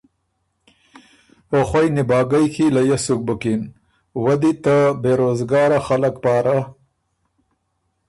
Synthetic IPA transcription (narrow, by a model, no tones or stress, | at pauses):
pəxwajnɪbɑːɡajkʰilajasʊk̚bʊkin | wad̪it̪abeɾozɡɑːɾaxaləkpɑːɾa